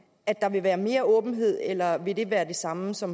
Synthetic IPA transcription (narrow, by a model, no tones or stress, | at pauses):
æd̥ɑ̈ʋe̝ʋæːɐme̝ːɐʔɔːb̥n̩ɦe̝ð̰ˠelɐʋe̝d̥e̝ʋæːɐd̥e̝sɑ̈məsɒ̽m